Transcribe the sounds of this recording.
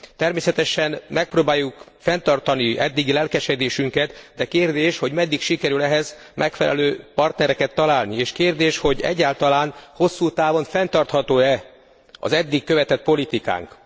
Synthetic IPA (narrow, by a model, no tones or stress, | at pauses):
t̪ɛrmeːsɛt̪ɛʃɛnmɛk̚proːbaːjːukfɛnt̪ɒrt̪ɒniʔɛd̪ːiɡilɛlkɛʃɛd̪eːʃyŋkɛt̪d̪ɛkeːrd̪eːʃho̞ɟmɛd̪ːikʃikɛɾylɛɦɛz | mʔɛkfɛ̰lʔɛ̰løːpɒrt̪nɛɾɛkɛt̪ːɒlaːlnieːʃkeːrd̪eːʃho̞ɟɛ̰ɟːaːlt̪ɒlaːnho̞sːuːt̪aːvo̞nfɛnt̪ɒrt̪hɒt̪oːɛ | ɒ̰zɛd̪ːikːøvɛt̪ɛt̪̚po̞lit̪ika̰ːŋk